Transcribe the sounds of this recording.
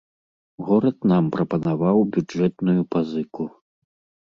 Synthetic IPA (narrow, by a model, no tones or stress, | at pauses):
ɣɔɾɐt̪nampɾɐpɐnavawbʲud͡ʐɛt̪nujupazɨku